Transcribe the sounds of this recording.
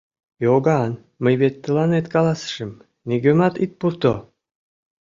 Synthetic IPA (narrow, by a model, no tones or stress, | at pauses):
joɡɑn | məjβet̪ːə̆lɑnet̪kɑlɑsə̥ʃəm | neɡømɑt̪it̪̚purt̪o